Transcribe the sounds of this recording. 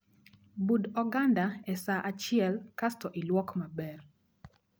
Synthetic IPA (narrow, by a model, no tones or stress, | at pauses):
budɔɡandaɛsaʔat͡ʃɪɛlkastɔʔilwɔkmabɛr